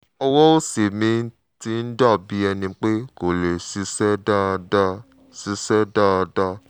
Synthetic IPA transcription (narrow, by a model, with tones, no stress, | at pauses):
ɔ˧wɔ˦o˦se˨mĩ˨˦ | ti˧˦n̩˦dɔ˦˨bi˨˦ɛ˧nĩ˧k͡pe˦ko˨le˨si˧˦sɛ˦da˦˧dɔ˦˨ | si˧sɛ˦dɔ˦˨˧dɔ˦